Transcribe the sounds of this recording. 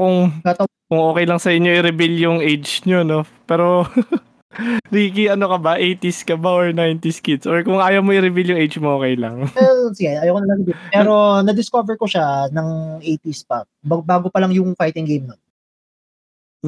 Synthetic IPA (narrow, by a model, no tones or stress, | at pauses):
kʊŋɐt̪ɐ | kʊŋʔoːkɛjlɐŋsɐʔɪɲːoʔɪɾɪbiljʊŋʔejd͡ʒɲo̞no̞pɛːɾo̞ | ɾiːkiʔɐnokɐbaʔejt̪iskɐbaʔoɹnajnt̪ɪskɪd̪sʔoɹkʊŋʔaːjɐwmoʔɪɾɪbiljoŋʔejd͡ʒmoʔoːkɛjlɐ̰ŋsɪɡɛɐːjɐwkonɐnɐɾɪbɪpɛɾo̞nɐd̪ɪskovɛɹkoʃanɐŋʔejt̪ispɐ | bɐbaːɡopɐlɐŋjʊŋfajt̪ɪŋɡejmnɐ